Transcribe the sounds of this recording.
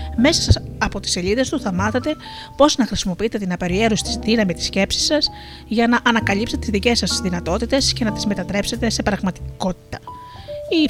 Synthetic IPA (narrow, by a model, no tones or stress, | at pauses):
me̞sɐsɐsɐpo̞t̪i̥se̞liðe̞st̪uθɐmɐθet̪e̞ | po̞znɐxɾisimo̞piit̪e̞t̪inɐpeɾie̞ɾusi̥t̪izðinɐmit̪i̥sce̞psi̥sːɐs | ʝɐnɐʔɐnɐkɐlipse̞t̪et̪izðice̞sːɐst̪izðinɐt̪o̞t̪it̪e̞sce̞nɐt̪izme̞t̪ɐt̪ɾe̞pse̞t̪e̞se̞pɾɐɣmɐt̪i̥ko̞t̪i̥t̪ɐ̥ | i